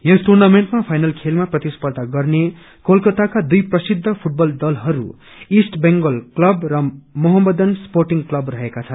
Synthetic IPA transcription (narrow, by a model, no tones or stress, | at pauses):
josʈurnameɳʈmapʰajnʌlkʰelmaprʌt̪ispʌrd̪aɡʌrne | kolkʌt̪akad̪ujprʌsid̪ʱːʌpʰuʈ̚bʌld̪ʌlɦʌɾṵ | isʈbeŋɡʌlklʌbrʌmʌɦʌmːʌd̪ʌnsporʈiŋklʌbrʌɦekat͡sʰʌn